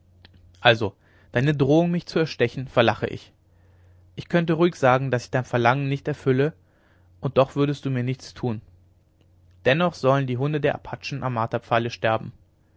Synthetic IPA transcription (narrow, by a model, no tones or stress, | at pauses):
ʔalzo | d̥aɪnədʁoːʊŋmɪçt͡suɛɐʃtɛçn̩fɛɐlaχə̰ʔɪ̰ç | ʔɪçkʰœntəʁuːɪçz̥aːɡŋ̩dasɪ̥çd̥aɪnfɛɐlaŋənnɪçtɛɐfʏlə | ʔʊnt̚d̥ɔχv̥ʏɐɾəst̚d̥uːmiːɐnɪçt͡stʰuːn | d̥ɛnɔχz̥ɔləndiːɦʊndədeːɐʔa̰pʰat͡ʃn̩ʔa̰mːaːtapp͡faləʃtɛɐbm̩